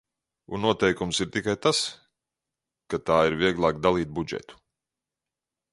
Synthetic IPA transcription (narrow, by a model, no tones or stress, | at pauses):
unnːuɔt̪ɛjkumsiɾt̪ikajt̪as | kat̪aːiɾviɛɡlˠaːkd̪alˠiːt̪̚bud͡ʒɛ̰t̪u̥